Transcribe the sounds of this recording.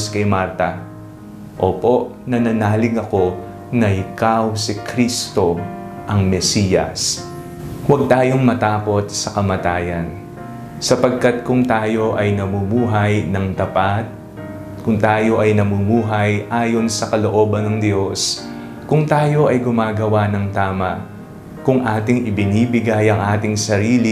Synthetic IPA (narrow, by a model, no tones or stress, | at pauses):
skɐjmaɾt̪ɐ | ʔoːpo̞ʔ | nɐnɐnaːlɪŋɐko̞ | nɐɪkawsɪkɾist̪o̞ | ʔɐŋmɛsijɐ̰s | wɐɡ̚t̪aːjo̞ŋmɐt̪aːko̞t̪̚sɐkɐmɐt̪aːjɐn | sɐpɐɡ̚kɐt̪̚kʊŋt̪aːjo̞ʔɐjnɐmumuːɦɐjnɐŋt̪ɐpat̪̚ | kʊŋt̪aːjo̞ʔɐjnɐmumuːɦɐjʔaːjo̞nsɐkɐlo̞ʔo̞ːbɐnːɐŋd̪jo̞s | kʊŋt̪aːjo̞ʔɐjɡʊmaːɡɐwanɐŋt̪aːmɐʔ | kʊŋʔaːt̪ɪŋʔɪbɪniːbɪɡajɐŋʔaːt̪ɪŋsɐɾiːli